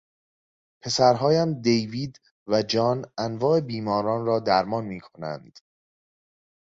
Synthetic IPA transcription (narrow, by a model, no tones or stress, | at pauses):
pʰe̞sæɾɦɒːjæmd̪ejviːd̪ | væd͡ʒɒːnænvɒːe̞biːmɒːɾɒːnrɒːd̪æɾmɒːnmiːkʰo̞næ̰nd̪̥